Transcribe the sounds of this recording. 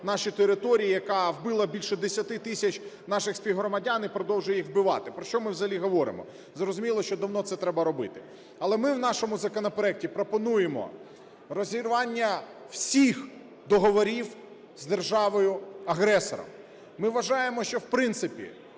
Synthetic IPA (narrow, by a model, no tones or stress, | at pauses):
nɑʃit̪eɾɪt̪ɔɾʲijijɐkɑwbɪlˠɐbʲilʲʃɛd̪esʲɐt̪ɪt̪ɪsʲɐt͡ʃnɑʃɪxsʲpʲiwɦɾɔmɐdʲanɪpɾɔd̪ɔwʒʊjixwbɪʋɑ̰t̪ɪpɾɔʃt͡ʃɔmɪwzɐɦɐlʲiɦɔʋɔɾɪ̰mɔ̰ | zɾɔzʊmʲilˠɔʃt͡ʃɔd̪ɐwnɔt̪sɛt̪ɾɛbɐɾɔbɪt̪ɪ | ɐlˠɛmɪwnɑʃɔmʊzɐkɔnɔpeɾɛk̚tʲipɾɔpɔnujemɔ̰ | rɔzʲiɾʋɑnʲːɐ | w̥sʲix | d̪ɔɦɔʋɔɾʲiw | zd̪erʒɑʋɔjʊɐɦɾɛsɔ̰ɾɔ̰mː | ɪʋɐʒɑjemɔʃt͡ʃɔwpɾɪnt̪sɪpʲḭ